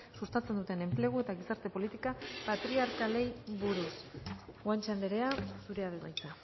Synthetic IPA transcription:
sust̪at͡se̞nd̪ut̪e̞ne̞mple̞ɣ̞ue̞t̪aɣisaɾt̪e̞po̞lit̪ikapat̪ɾiaɾkale̞jβuɾusɣwant͡ʃand̪eɾe̞asuɾe̞aðeβajt͡s̪a

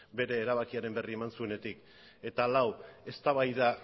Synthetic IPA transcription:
be̞ɾe̞ːɾaβakiaɾe̞mbe̞rie̞mansue̞ne̞t̪ik | e̞t̪alawe̞st̪aβajða

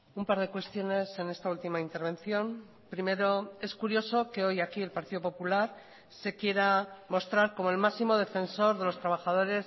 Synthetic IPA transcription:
umpaɾð̞e̞kwe̞st̪jo̞ne̞se̞ne̞st̪ault̪imaint̪e̞ɾβẽ̞nθjo̞m | pɾime̞ɾo̞e̞skuɾjo̞so̞ke̞o̞jakie̞lpaɾt̪iðo̞po̞pulaɾ | se̞kje̞ɾamo̞st̪ɾaɾko̞mo̞elmasimo̞ð̞e̞fe̞nso̞ɾðe̞lo̞st̪ɾaβ̞axað̞o̞ɾe̞s

